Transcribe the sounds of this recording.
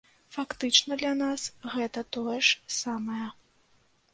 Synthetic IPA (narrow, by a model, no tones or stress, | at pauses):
fakt̪ɨt͡ʂnɐd̪lʲanasɣɛt̪ɐt̪ɔjɐʂsamɐjɐ